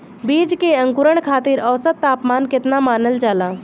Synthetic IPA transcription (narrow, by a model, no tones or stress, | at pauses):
biːd͡ʒkeə̃ŋkʊɾəɽ̃kʰaːt̪iɾɔːsət̪ːaːpmaːnkɪt̪namaːnəld͡ʒaːlaː